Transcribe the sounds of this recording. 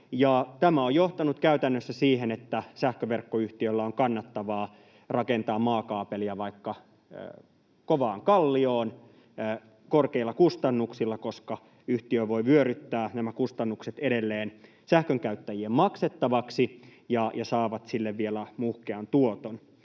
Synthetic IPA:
jɑt̪æmæojjo̞ht̪ɑnut̪kæyt̪ænːøsːæsiːɦenet̪ːæsæhkøʋerkːoyht̪iølːæoŋkɑnːɑt̪ːɑʋɑː | rɑke̞nt̪ɑːmmɑːkɑːpeliæʋɑikːɑ | koʋɑːŋkɑlːioːn | korkeilːɑkust̪ɑnːuksilːɑkoskɑ | yht̪iøʋo̞jʋyøɾyt̪ːæːnæmækust̪ɑnːukset̪eɾelːeːn | sæhkøŋkæyt̪ːæjiemmɑkset̪ːɑʋɑksijɑjɑsɑːʋɑt̪silːeʋʋielæmuhkeɑnt̪uot̪on

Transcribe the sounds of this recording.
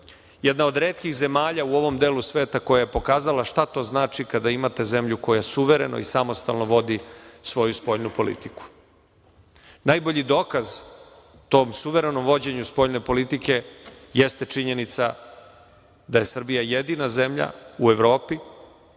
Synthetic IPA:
jed̪nao̞d̪ɾeːt̪kixze̞maːʎauo̞ʋo̞md̪eːlusʋe̞ːt̪ako̞jajepo̞kaːzalaʃt̪at̪o̞ːznaːt͡ʃikad̪aimat̪e̞ze̞mʎuko̞jasuʋe̞ɾe̞̰no̰isamo̞st̪a̰lˠno̞ʋo̞d̪isʋo̞juspo̞ʎnupo̞lḭt̪iku̥ | najbo̞ʎid̪o̞ːkaz | t̪o̞ːmsuʋe̞ɾe̞no̞mʋo̞d͡ʑe̞ɲuspo̞ʎne̞po̞lit̪ike̞jest̪e̞t͡ʂiɲe̞nit̪sa̰ | d̪aje̞sr̩bijajed̪inaze̞mʎa̰ueʋɾo̞ːpi

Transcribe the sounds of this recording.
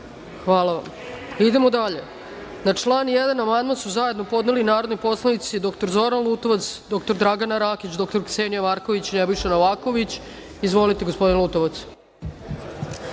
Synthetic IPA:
xʋaːlˠaʋa̰m | id̪e̞mo̞d̪aʎe̞ | nat͡ʂlˠaːnjed̪anamand̪mansuzaje̞d̪nopo̞d̪ne̞linaːɾo̞d̪no̞jpo̞slˠanit̪sid̪o̞kt̪o̞ɾzo̞ɾanlˠuːt̪oʋat̪sd̪o̞k̚t̪oɾd̪ɾaɡanaɾaːkit͡ɕd̪o̞kt̪oɾkseːnijamaɾko̞ʋit͡ɕinebjʃanoʋaːko̞ʋit͡ɕ | izʋo̞lit̪e̞ɡospo̞d̪inlˠuːt̪o̞ʋat̪s

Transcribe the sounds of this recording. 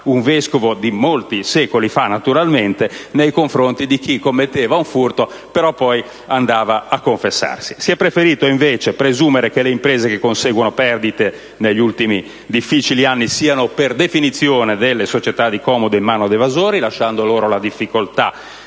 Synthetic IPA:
uɱveskovod̪imolt̪isɛːkolifanːat̪uɾalment̪enejkoɱfɾont̪id̪ik̟ikːomːet̪ːɛːvauɱfurt̪o | peɾɔpːɔj | and̪aːvaakːoɱfesːa̰rsi̥siɛpːɾefeɾiːt̪oiɱveːt͡ʃepɾezuːmeɾekeleimpɾeːzekekːonseːɡwonopɛrd̪it̪e | neʎːiult̪imi | d̪ifːit͡ʃilianːisiːanoperd̪efinit̪sːjoːned̪elːesot͡ʃet̪ad̪ikɔːmod̪oimːaːnod̪evazoːɾilaʃːand̪oloːɾolad̪ifːikolt̪a

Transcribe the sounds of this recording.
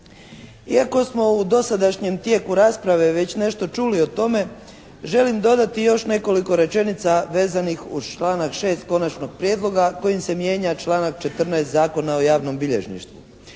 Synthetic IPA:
iako̞smo̞ud̪o̞sad̪aʃɲe̞mt̪je̞ːkuɾaːspɾaʋe̞ʋe̞t͡ɕne̞ʃt̪o̞t͡ʃuːlio̞t̪o̞me̞ | ʒe̞limd̪o̞d̪at̪ijo̞ʃne̞ko̞liko̞ɾe̞t͡ʃe̞nit̪saʋe̞ːzanixṵz̥t͡ʃlˠaːnakʃe̞ːst̪ko̞nat͡ʃno̞ɡ̚pɾjed̪lˠo̞ɡako̞jimse̞mje̞ːɲat͡ʃlˠaːnak̚t͡ʃe̞t̪r̩naest̪zaːko̞nao̞jaːʋno̞mbiʎe̞ʒnḭʃt̪ʋṵ

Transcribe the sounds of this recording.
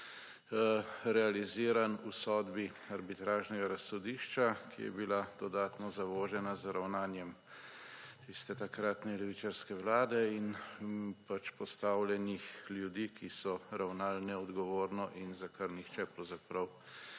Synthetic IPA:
ɾɛaliziːɾanusɔːd̪bi | aɾbit̪ɾaːʒnɛɡaɾasɔd̪iʃt͡ʃakʰḭjɛ̰bilad̪̥ɔd̪aːt̪nɔzaʋɔːʒɛnazɾawnaːnjɛm | t̪ist̪ɛt̪akɾaːt̪nɛlɛʋit͡ʃaɾskɛwlaːd̪ɛin | pat͡ʃpɔst̪awljɛnixljud̪iːkisɔɾawnalnɛɔd̪ɡɔʋoːɾnɔʔinzakaɾnixt͡ʃɛpɾɐwzapɾɐw

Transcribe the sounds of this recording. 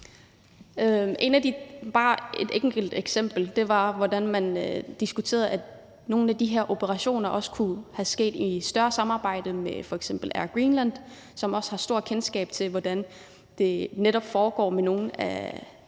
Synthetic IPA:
øʔe̝næd̥ib̥ɑ̈ːe̝d̥eŋɡ̥əl̩d̥eɡ̥sem̰b̥l̩d̥e̝ʋɑ̈ʋɒd̥ænmænød̥isɡ̥ut͡sʰe̝̰ːɐðˠæ | no̝ːn̩æd̥iɦeɐ̰ʔo̝b̥əʁɑ̈ɕo̝̰ːnɐʔɒ̽sə̥kʰuhæsɡ̥e̝̰ːd̥isd̥ɶɐsɑ̈mɑ̈ːb̥ɑ̈ɪ̰d̥əmefɒ̽eɡ̥sem̰b̥l̩æɐɡ̥ʁiːnlæn̰d̥ | sɒ̽mɒ̽sə̥hɑ̈sd̥o̝ɐ̰kʰensɡ̥ɛ̰ːb̥̚t͡sʰe̝lʋɒd̥æn | d̥e̝neɾɒ̽b̥fɒːɡ̥ɒ̰ːmeno̝ːn̩æ̰

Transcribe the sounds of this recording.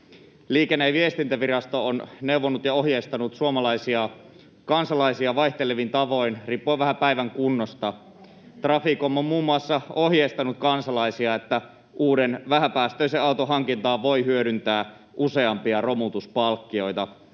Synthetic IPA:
liːkenːeʋiest̪int̪æʋirɑst̪oonneuwʋonːut̪jɑoɦjeist̪ɑnut̪suomɑlɑisiɑ | kɑnsɑlɑisiɑʋɑiht̪eleʋint̪ɑʋo̞inriːpːoʋæhæpæiʋæŋkunːost̪ɑ | t̪rɑfikomːommuːmːuɑsːɑo̞ɦjest̪ɑnut̪̚kɑnsɑlɑisiɑet̪ːæ | ʔuːdenʋæhæpæːst̪øiseɑut̪oɦɑŋkint̪ɑːʋʋo̞ihyødynt̪æː | ʔuse̞ɑmpiɑro̞mut̪uspɑlkːio̞it̪ɑ

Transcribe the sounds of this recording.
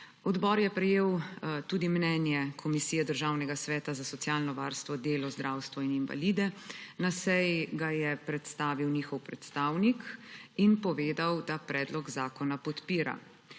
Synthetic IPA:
ɔd̪bɔːɾjɛpɾɛjeːwt̪uːd̪imnɛːnjɛkʰɔmisiːjɛd̪əɾʒawnɛɡasʋɛːt̪azasɔt̪sjaːlnɔʋaːɾst̪ʋɔd̪eːlɔzd̪ɾawst̪ʋɔininva̰liːd̪ɛnasɛjɡajɛpɾɛt̪st̪aːʋiwniːxɔwpɾɛt̪st̪aːwnikinpɔʋeːd̪awd̪apɾɛːd̪lɔɡzaːkɔnapɔt̪piːɾa̰

